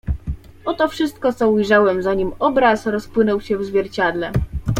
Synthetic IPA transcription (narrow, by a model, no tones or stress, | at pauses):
ɔt̪ɔfʂɘst̪̚kɔt̪sɔujʐawɛmzaɲimɔbɾasɾɔspwɘnɔwɕɛvzvʲjɛɾt͡ɕad̪lɛ